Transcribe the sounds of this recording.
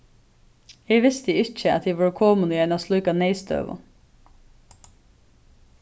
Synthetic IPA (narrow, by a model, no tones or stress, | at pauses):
eːʋɪst̪əɪçəɑ̰t̪̚eːʋɑːɹkʰoːmʊnəjɛnɑslʉːkɑneɪst̪ø̰ːʋɑ̰